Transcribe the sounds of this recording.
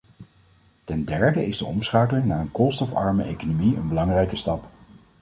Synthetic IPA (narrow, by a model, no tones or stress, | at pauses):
tɛndɛɹdəʔɪzdəɔmsχaːkəlɪŋnaːənkɔlˠstɔfɑ̰ɹmə̰ʔḛjkonomiə̰nbəlɑŋrɛjkəstɑp